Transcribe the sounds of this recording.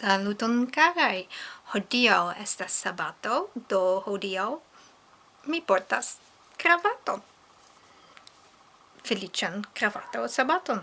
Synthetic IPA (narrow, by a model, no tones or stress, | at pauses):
lalut̪onkaɡajhodiawestasːabatodohodiaw | mipoɾtas | kɾavaton | felit͡ʃankɾava̰t̪owsabat̪on